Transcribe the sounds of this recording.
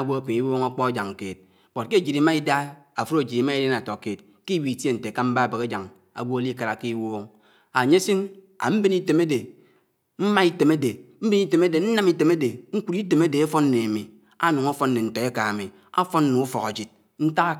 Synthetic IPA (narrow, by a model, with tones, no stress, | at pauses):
a˨ɡʷo˦a˨ki˨i˦woː˦ŋa˦k͡pɔ˦a˦d͡ʒa˨ŋ˨keː˨t̚ | bo˨t̚ke˦˨d͡ʒi˨ɾi˨ma˦i˦da˦a˨fu˦ɾo˨d͡ʒi˨i˨˦ma˦i˦de˦na˨to˨ke˨t | ki˦wi˨te˦n̩˨te˨ka˦m̩˦ba˦a˨be˨ɣe˦d͡ʒa˨ŋ | a̰˨ɡʷo˦a˦li˦ka˨ɾa˨ki˦i˦woː˦ŋ | a˨ɲe˦si˦n | a̰˨m̩˦bi˦ni˦te˨me˦de˨ | m̩˦ma˦i˦te˨me˦de˨m̩˦bi˦i˦te˨me˦de˨n̩˦na˦mi˨te˨me˦de˨ŋ̩˦ku˨ɾi˦te˨me˦de˨e˦fo˦nː˦e˨a˨mi˨ | a˦nu˨ŋa˦fɔ˦n˦ne˨n̩˨to˨e˦ka˨a˨mi˨ | a̰˦fɔ˦nː˦u˨u˦fɔ˨ɣa˨d͡ʒi˨t̚ | n̩˦ta˦a˦